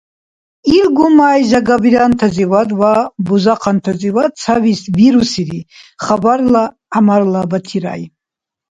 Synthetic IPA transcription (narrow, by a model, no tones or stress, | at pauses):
ilɡumajzaɡabiɾant̪ʰaziwad̪wabuzaqʰant̪ʰaziwad̪̚t͡sʰavisviɾusiɾiχabaɾla | amarlabat̪ʰiɾa̰j